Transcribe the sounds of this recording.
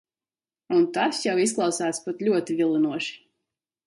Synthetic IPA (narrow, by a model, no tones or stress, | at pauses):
unt̪asjawis̬klˠɑwsæːt̪spat̪lʲuɔt̪ivilˠinuɔʃi̥